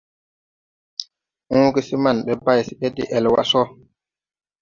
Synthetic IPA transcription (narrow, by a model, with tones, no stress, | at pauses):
ʔũː˦ki˦si˦ma˨nɓɛ˨ba˦jsi˨ɓɛ˦tḭ˦ʔɛ˨lwa̰˦sɔ˦